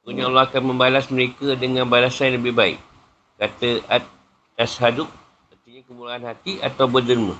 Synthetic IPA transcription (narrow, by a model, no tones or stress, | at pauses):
kuɲãolɔhakanmə̃mbalasməɾekadəŋãnbalasanləbɪhbaɪ̰k | kat̪əat̪̚ | t̪ashadʊk̚ | pənt̪iɲakəmuɾaanhat̪ia̰t̪awbərdərmə̰̃